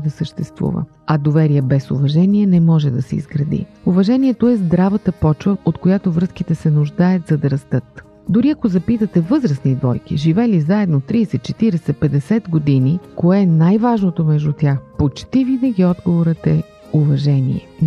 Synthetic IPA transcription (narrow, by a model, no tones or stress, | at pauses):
d̪ɐsəʃt̪ɛst̪vṵvə̰ | ɐd̪ovɛɾiɛbɛsʊ̰vɐʒɛniɛnɛmɔʒɛd̪ɐsɛ̰ḭzɡɾɐd̪ḭuvɐʒɛniɛt̪oɛzd̪ɾavət̪əpɔt͡ʃvəot̪kojat̪ovɾɤsk̟it̪ɛsɛnʊʒd̪ajət̪zɐd̪ɐɾɐst̪ɤt̪ | d̪ʊɾiɐkozɐpit̪ət̪ɛvɤzɾəsnid̪vɔjk̟ḭʒivɛlizaɛd̪not̪ɾiːsɛt̪̚t͡ʃɛt̪iɾɛsɛpɛd̪ɛsɛt̪ɡod̪inikoɛnajvaʒnot̪omɛʒd̪ut̪ʲjaxpot͡ʃt̪ivinɐɡʲiɔd̪ɡovoɾət̪ɛ | uvɐʒɛnḭɛ̰